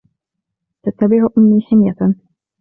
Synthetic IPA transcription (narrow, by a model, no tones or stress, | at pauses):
t̪at̪ːabɪʕʔʊmːiːħɪmja